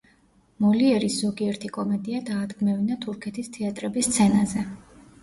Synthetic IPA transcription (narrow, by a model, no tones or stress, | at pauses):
mɔliɛɾisz̥ɔɡiɛɾt̪ʰikʼɔmɛd̪iad̪aːd̪ɡmɛvinat̪ʰuɾkʰɛt̪ʰist̪ʰɛat̪ʼɾɛbist̪sʰɛnazɛ